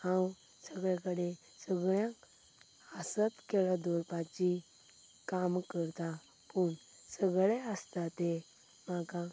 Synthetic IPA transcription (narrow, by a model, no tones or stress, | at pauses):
hãw | səɡɭjãkəɽe | səɡɭjãk | əsət̪kelad̪ɔɾpat͡ɕi | kamkəɾt̪a | pəɳ | səɡɭeəst̪at̪e | maka